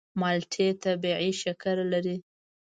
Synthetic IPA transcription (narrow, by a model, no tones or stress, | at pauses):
mɑlʈʰet̪abiʕiʃakaɾlaɾi